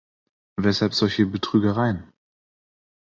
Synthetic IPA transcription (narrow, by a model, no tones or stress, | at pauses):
vɛshalpz̥ɔlçəbətʁ̥yːɡəʁaɪən